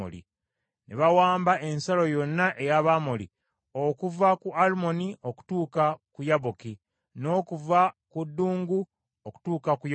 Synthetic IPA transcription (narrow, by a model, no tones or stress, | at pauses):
o̰lḭ | nʔeβawaːmbaʔe̞nsalo̞jo̞nːaʔe̞jaβaːmolḭ | okuvakuʔalumo̞niʔo̞ku̥tuːkakujaβoki | no̞ːkuvakudːuːŋɡu | oku̥tuːkakuj